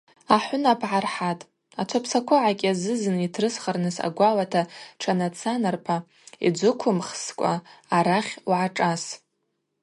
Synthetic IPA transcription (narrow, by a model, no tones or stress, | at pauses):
aħʷʊnapʰʕarħatʼ | at͡ʃʷʰapʰsakʷʰʊʕakʲʼazɨzɨnitʰrɨsχarnɨsa̰ɡʷalatʰaʈ͡ʂʰanat͡sʰanarpʰa | ḭd͡ʒʷʊkʷʰʊmχskʷʼa̰aɾaχʲuʕaʈ͡ʂʼas